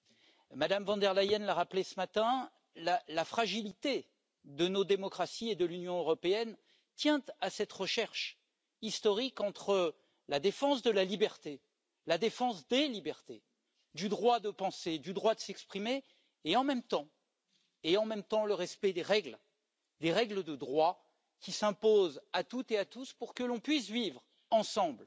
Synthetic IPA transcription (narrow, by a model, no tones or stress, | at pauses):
mad̪amvɑ̃d̪ɛʁlajɛnlaʁaplesəmat̪ɛ̃ | lalafχaʒilit̪e | d̪ənod̪emɔkχasied̪əlynjɔ̃øʁɔpeɛn | t̪jɛ̃t̪asɛt̪ʁəʃɛʁʃ | ist̪ɔʁikɑ̃t̪χə | lad̪efɑ̃s̬d̪əlalibɛʁt̪e | lad̪efɑ̃sd̪elibɛʁt̪e | d̪yd̪ʁwad̪əpɑ̃sed̪yd̪ʁwad̪əsɛkspχimeː | ɑ̃mɛmt̪ɑ̃ | eɑ̃mɛmt̪ɑ̃ləʁɛspɛd̪eʁɛɡl | d̪eʁɛɡləd̪əd̪ʁwa | kʲisɛ̃pozat̪ut̪eat̪uspuʁkəlɔ̃pɥis̬vivʁ | ɑ̃sɑ̃bl